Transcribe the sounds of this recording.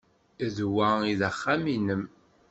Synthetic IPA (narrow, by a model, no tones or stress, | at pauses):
ðwæiðæχːæminəm